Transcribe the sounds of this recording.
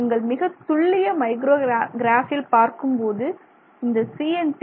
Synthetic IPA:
ɐŋɡɐɭmɪɣɐt̪ʊɭːɪjɐmɐɪɡɾoːɡɪɾaːfɪlpaːɾkɯmpoːðɯ | ɪnd̪ɐsiːɛnʈ

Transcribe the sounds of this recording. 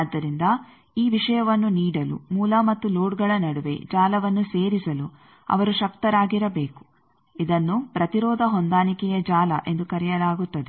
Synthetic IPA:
d̪ːɐɾind̪ɐ | iːʋiʂɐjɐʋɐnːuniːɽɐlṵmuːlɐmɐt̪ːuloːɽɡɐɭɐnɐɽuʋe̞̰d͡ʒaːlɐʋɐnːuseːɾisɐlu | ɐ̰ʋɐɾuʃɐkt̪ɐɾaːɡiɾɐbe̞ːku̥ | id̪ɐnːupɾɐt̪iɾɔːd̪ʱɐɦɔnd̪aːnikɛjɐd͡ʒaːlɐ̰ʔe̞nd̪ukɐɾɛjɐlaːɡut̪ːɐd̪e

